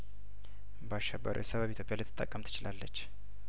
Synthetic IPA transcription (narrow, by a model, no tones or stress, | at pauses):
bəaʃɛbːə̰ɾṵjɛsəβəβit̪jopʼjalɨt̪ʰːɨ̥t̪ʼəkʼːəmt̪ʰɨ̥t͡ʃɪlalːət͡ʃː